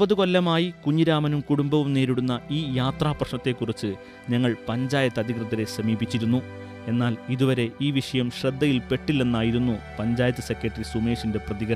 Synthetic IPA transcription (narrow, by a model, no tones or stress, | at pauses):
bɐðuko̞lːɐmaːjikuɲːiɾaːmɐnumkuɽumbɐʋumneːɾiɽunːɐʔiːjaːt̪raːprɐʂɳɐt̪ːe̞kːurit͡ɕːɨ | ɲɐŋːɐɭpɐɲd͡ʑaːjɐt̪ːɐd̪ʱikrɨt̪ːɐɾe̞sɐmiːbit͡ɕːiɾunːu | e̞nːaːliðuʋɐɾe̞iːʋiʂɐjɐmɕrɐd̪ʱːɐjilpe̞ʈːilːenːaːjiɾunːupɐɲd͡ʑaːjɐt̪ːɨsekʲːɐʈːrisume̞ːʂinde̞prɐðiɡɐɐ